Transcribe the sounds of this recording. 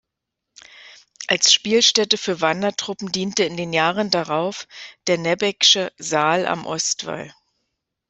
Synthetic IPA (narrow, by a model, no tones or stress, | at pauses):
ʔalsʃpiːlʃtɛtəfyːɐvandɐtʁ̥ʊpm̩diːntəɪndeːnjaːʁəndaʁaʊfd̥eːɐnɛbɛkʃəzaːlʔa̰mʔɔstv̥a̰l